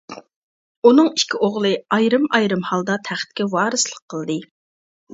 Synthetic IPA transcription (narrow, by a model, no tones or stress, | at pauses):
unɨŋi̥kʲʰioʁlˠɨɑjɾɨmɑjɾɨmhɑlˠd̪ɑt̪ʰæχt̪̚kʲɛwɑːɾɨslˠəqʰːəlˠd̪ɨ